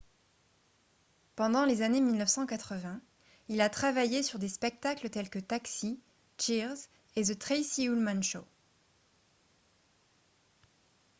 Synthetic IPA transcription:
pɑ̃d̪ɑ̃lezanemilnəfsɑ̃kat̪χəvɛ̃ | ilat̪χavajesyʁd̪espɛk̚t̪aklət̪ɛlkət̪aksi | t͡ʃiʁz | ezət̪χisiulmanʃo

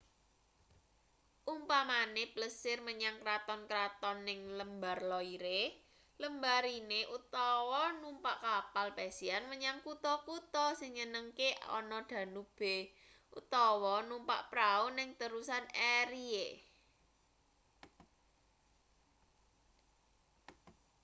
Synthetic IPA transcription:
ʔumpamanepləsɪrməɲaŋkɾat̪ɔnkɾat̪ɔnːɪŋləmbarlɔiɾe | ləmbaɾineʔut̪ɔwɔnumpaʔkapalpɛsianməɲaŋkut̪ɔkut̪ɔsɪŋɲənəŋkeɔ̰nɔd̪̥ä̤nub̥e̤ | ʔṵt̪ɔwɔnumpa̰ʔpɾaunɪŋt̪əɾusaneɾie

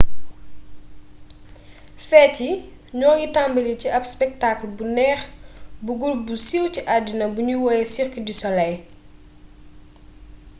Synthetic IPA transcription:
fɛːci | ɲɔːɡitambɐliciʔɐpspɛk̚taklbunɛːχbuɡulbusiwtiʔadinɐbuɲuwɔjɛsiɾkədisɔlɐj

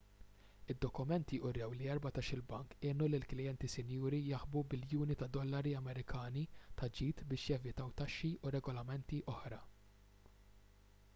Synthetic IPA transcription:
ɪd̪ːɔkʊmɛnt̪iʔʊrːɛwliɛɾbɐt̪ɐʃɪlbɐŋkɪːnulɪlklɪjɛnt̪isɪnjuːɾijɐħbubɪljuːnit̪ɐd̪ɔlːɐɾiɐmɛɾɪkʰɐːnit̪ɐd͡ʒiːt̪bɪːʃjɛvɪt̪ɐwt̪ɐʃːiʔʊɾɛɡɔlɐmɛnt̪iʔɔħɾɐ

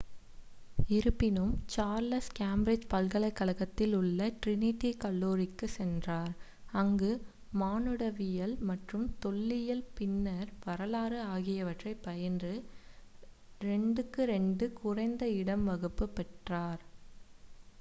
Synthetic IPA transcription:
ɪɾɯpːɪnɯmt͡ʃaːɾlɐskaːmbɾɪd͡ʒpɐlɣɐlɐɪkːɐlɐɣɐt̪ːɪlʊɭːɐʈɾɪnɪt̪ːikɐɭːoːɾɪkːɯsɛndraːɾ | ɐŋɡɯ | maːnɯɽɐʋɪjɐlmɐʈrɯmt̪ɔɭːɪjɐlpɪnːɐɾʋɐɾɐlaːɾɯaːɣɪjɐʋɐʈrɐɪpːɐjɐndrɯ | ɾɛɳɖɯkːɯɾɛɳɖɯkʊrɐɪnd̪ɐɪɽɐmʋɐɣɯpːɯpːɛʈraːɾ

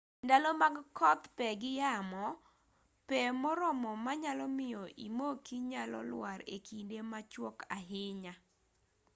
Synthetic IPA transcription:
ndalɔmaɡkɔt̪pɛɡɪjamɔ | pɛmɔɾɔmɔmaɲalɔmɪjɔʔimokiɲalɔ̰lwaɾḛkindemat͡ʃwɔkaɦɪɲa

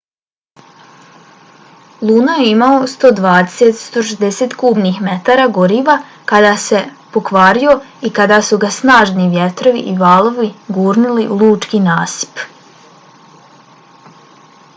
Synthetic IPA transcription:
lˠuːnajeimaost̪o̞ːd̪ʋaːd̪eset̪st̪o̞ʃezd̪eset̪kuːbniːxmet̪aːɾaːɡoɾiːʋa | kad̪aːse̞po̞kʋaːɾio̞ikad̪aːsuɡasnaːʒniʋjet̪ɾo̞ʋḭʔiʋaːlˠoʋiɡuːɾnililˠuːt͡ʃkinaːsi̥p

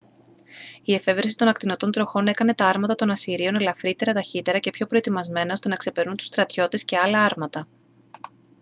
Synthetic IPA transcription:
ie̞fe̞vɾsi̥t̪o̞nɐk̚t̪ino̞t̪o̞nt̪ɾo̞xo̞ne̞kɐne̞t̪ɐɐɾmɐt̪ɐt̪o̞nɐsiɾio̞nelɐfɾit̪e̞ɾɐt̪ɐçit̪e̞ɾɐce̞pço̞pɾo̞e̞t̪imɐzme̞nɐo̞st̪e̞nɐkse̞pe̞ɾnunt̪u̥st̪ɾɐt̪ço̞t̪e̞sce̞ɐlɐɐɾmɐt̪ɐ

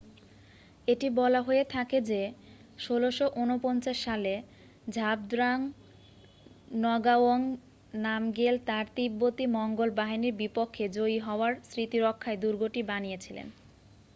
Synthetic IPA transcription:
eʈibɔlaɦoet̪ʰaked͡ʑe | ʃoloʃoʔunopɔnt͡ɕaʃːale | d͡ʑʱab̚d̪ɾaŋ | nɔɡaoŋ | namɡelt̪aɾt̪ibːot̪imɔŋɡolbaɦiniɾbipokʰːed͡ʑoiɦɔoaɾsɾit̪iɾokʰːaed̪uɾɡoʈibanijet͡ɕʰilḛn

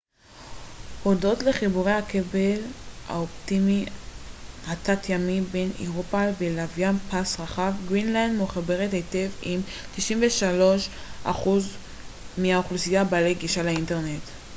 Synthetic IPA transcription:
ho̞do̞tle̞χibuʁehakebelha̰optimi | atatjamibe̞nḭʁopalvelavjanpasʁaχavɡʁinlandmuχabe̞ʁethetevimt̪iʃimveʃalo̞ʃʔa̰χuz | miaoχlusijabalejɡiʃalainte̞ʁne̞t

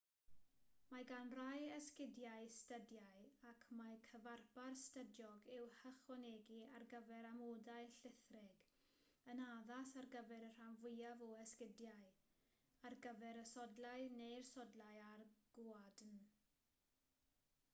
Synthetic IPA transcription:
maɡanrajɛskɪdjaɨstədjaɨakʰmajkʰəvarbarstədjɔɡɪwhəχwɔneːɡiarɡəvɛɾamoːdaɨɬɪθrɪɡ̥ | ənaðasarɡəvɛɾər̥anvʊjavɔɛskɪdjaɨ | arɡəvɛɾəsɔdlaɨnejrsɔdlajarɡ̥uadn

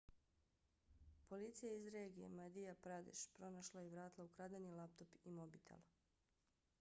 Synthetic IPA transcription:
po̞lit̪sijaizɾeːɡije̞̰mad̪ijapɾad̪ḭʃpɾo̞naʃlˠaiʋɾaːt̪lˠaukɾad̪anilˠap̚t̪o̞pimobit̪ʰḛlˠ

